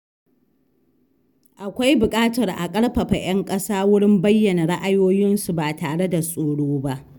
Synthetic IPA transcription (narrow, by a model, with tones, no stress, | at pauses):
ʔa˨kʷa˦jbʊ˨kʼaː˦tɐ˨rʔa̰˨kʼɐ˦ɽɸɐ˨ɸa˨j̰ɐ˦ŋkʼɐ˦saː˦wʊ˦ɽɪ˦mbɐ˦jːɐ˨na˨ɽa˦ʔa˨joː˦jɪ˦nsu˨baː˨taː˨ɽe˦da˨sʼoː˨ɽoː˦ba˦ʔ